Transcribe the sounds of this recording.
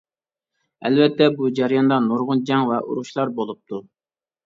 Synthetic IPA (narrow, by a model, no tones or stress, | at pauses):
ɛ̰lvɛt̪ːɛbud͡ʒæɾjɑnd̪ɑnoɾʁʊnd͡ʒɛŋvɛʔṵɾuʃlˠɑɾbolˠup̚t̪ʰu